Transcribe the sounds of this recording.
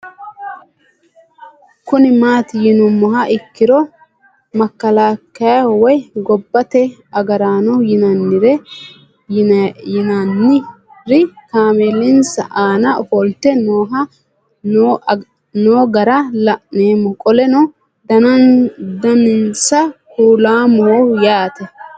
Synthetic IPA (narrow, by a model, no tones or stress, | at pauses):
kʊnɪmaːt̪ɪjɪnʊmːɔɦɐʔɪkːɪɾɔ | mɐkːɐlakːɐjawɔjɡɔbːɐt̪ɛɐɡɐɾaːnɔjɪnɐnːɪɾɛ | nɐnːɪ | ɾɪkaːmelɪnsɐʔaːnɐhɔlt̪ɛnoːɦɐ | n | noːɡɐɾɐlɐʔneːmːɔkʼɔlɛnɔ | d̪ɐnɐnd̪ɐnɪnsɐkuːlaːmɔhɔjaːt̪ɛ